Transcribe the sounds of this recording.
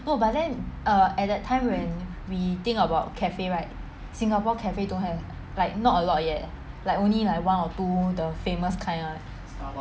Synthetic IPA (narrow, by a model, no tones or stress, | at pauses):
nobat̚dɛ̃nʔʌɛt̚dɛtʰːãɪ̃mwɛ̃n | wit̪ĩŋkəbaʊt̚kʰɛfeɹaɪk̚ | sĩŋapɔkʰɛfedõnɦɛv | laɪk̚nɔtəlɔtjɛt̚ | laɪkõnlilaɪkwãnɔtudəfeməskʰãɪ̃nlaɪk̚